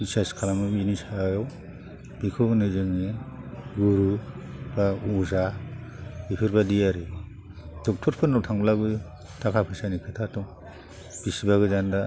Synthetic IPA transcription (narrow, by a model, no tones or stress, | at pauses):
bisaskʰalamɯbinisajɔw | bikʰɔɡnɯzɯŋeɡuɾu | bauza | bipʰɯɾbadijaɾɯ | d̥ɔk̚tʰɔɾpʰɯnɔtʰaŋblabɯ | tʰakʰapʰɯsanikʰɯtʰatɔŋ | b̥isibaɡɯzanda